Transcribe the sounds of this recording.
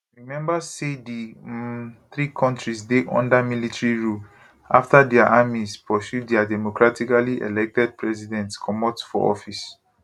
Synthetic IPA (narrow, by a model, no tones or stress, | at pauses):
ɹimɛ̃mbasedi | θɹikʰɔ̃ntɹisdeʔɔ̰̃ndamilitaɹiɹul | aftadɛaʔamispʰɔsjudɛadɛmokɹatikaliʔḛlɛk̚tɛd̚pɹɛs̬idɛ̃ntkʰɔmɔtfɔ̰ɔ̰fis